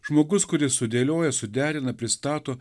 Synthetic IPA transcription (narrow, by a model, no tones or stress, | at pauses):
ʒmoːɡʊskʊɾʲɪsʊd̪ʲeːlʲoːjɛsʊd̪ʲæːɾʲɪnɐpʲɾʲɪst̪ɑːt̪oː